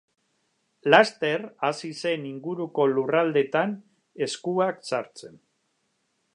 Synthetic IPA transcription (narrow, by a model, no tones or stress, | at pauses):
last̪e̞rasise̞niŋɡuɾuko̞lurald̪e̞t̪an | e̞skuaksaɾt͡se̞n